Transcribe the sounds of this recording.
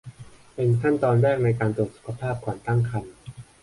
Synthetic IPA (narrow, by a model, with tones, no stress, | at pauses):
pe˧nkʰa˥˩nt̪ɔː˧nɾɛː˥˩k̚na˧jkaː˧nt̪u˨˩ət̪̚su̥˨˩kʰa˧pʰaː˥˩p̚kʰwaː˨˩nt̪a˥˩ŋkʰa˧n